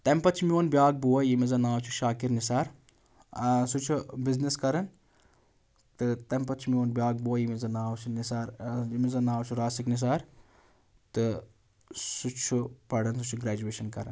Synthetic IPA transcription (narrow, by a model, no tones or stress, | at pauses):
t̪ɐmpɐt͡ʃʰmioːnbjaːɡ̚buwɐjimizɐnaːwt͡ʃʰuʃaːkiɾnis̬aːɾ | sut͡ʃʰubizniskɐɾɐn | t̪ɨt̪ɐmpɐt͡ʃʰumioːnbʲjaːɡ̚buɐjimizɐnaːwt͡ʃʰunisaːɾjimizɐnaːwt͡ʃʰuɾaːsiknis̬aːɾ | t̪ɨ | sut͡ʃʰupɐɽɐns̬ut͡ʃʰuɡɾaːd͡ʒueːʃɐnkɐɾɐ̰n